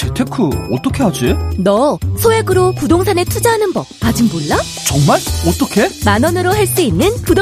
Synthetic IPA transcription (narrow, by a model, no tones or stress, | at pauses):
t͡ɕetʰe̞kʰɯʌt͈ʌkʰe̞ɦad͡ʑinʌsʰoɦe̞ɡɯɾokudoŋsʰane̞tʰud͡ʑaɦanɯnbʌk̚kad͡ʑɯŋboɭːa | t͡ɕʌŋmaɭʌt͈ʌkʰe̞manʌnɯɾoɦaɭs͈uinːɯnkud